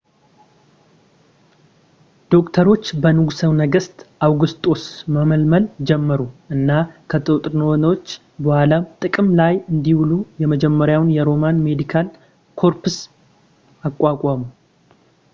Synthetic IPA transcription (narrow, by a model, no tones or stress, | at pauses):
d̪̥o̞kt̪ʰəɾo̞t͡ʃːbənɨɡusəwnəɡəst̪ʰʔawɡɨst̪ʼo̞sməməlməld͡ʒɛmːəɾuʔɨnːakʰət̪ʼɨt̪ʼɾnəwonwot͡ʃː | bəhalat̪ʼɨkʼɨmlajɨnd̪iwulujɛməd͡ʒɛmːəɾjawnjɛɾo̞manme̞d̪ikʰal | kʰo̞ɾpʰɨs | akʼʷːakʼamu